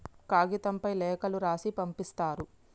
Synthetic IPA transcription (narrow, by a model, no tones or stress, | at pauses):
kaːɡit̪ɐmpɐjlɛːkɐluɾaːsipɐmpist̪aːɾu